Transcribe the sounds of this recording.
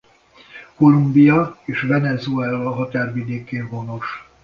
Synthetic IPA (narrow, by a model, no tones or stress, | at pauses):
ko̞lumbijɒeːʃvɛnɛzuɛlɒɦɒt̪aːrvid̪eːkeːnvo̞no̞ʃ